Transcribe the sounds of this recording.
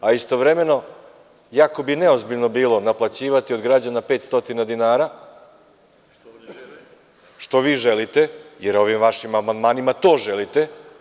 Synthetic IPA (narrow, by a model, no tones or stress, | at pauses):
aist̪o̞ʋɾeme̞no̞ | jako̞bineo̞zbiʎno̞biːlˠo̞naplˠat͡ɕiːʋat̪iod̪ɡɾad͡ʑanapeːt̪st̪o̞t̪inad̪inaːɾa | ʃt̪o̞ʋiːʒelit̪ejeɾo̞ʋimʋaʃimamand̪maːnimat̪o̞ːʒelit̪e̞